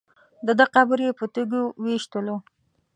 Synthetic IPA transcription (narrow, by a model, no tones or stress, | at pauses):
d̪əd̪əqabəɾjepət̪uɡuweʃt̪əlo